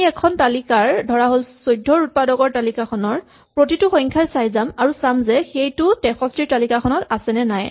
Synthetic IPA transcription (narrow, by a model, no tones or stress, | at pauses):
iɛkʰɔntalikaɹdʱɔɹaɦolsojdʱɔɹut̚padɔɡɔɹtalikakʰɔnɔɹ | pɹotitʊxɔ̃ŋkʰajsajzamaɹusamzɛxejtʊtɛxɔstiɹtalikaxʰɔnɔtasɛnɛnaj